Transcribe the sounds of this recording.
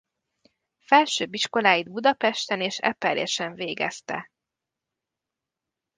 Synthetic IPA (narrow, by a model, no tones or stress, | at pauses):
fɛlʃøːbiʃko̞laːjid̪bud̪ɒpɛʃt̪ɛneːʃɛ̰pɛljɛ̰ʃɛɱveːɡɛ̰st̪ɛ̰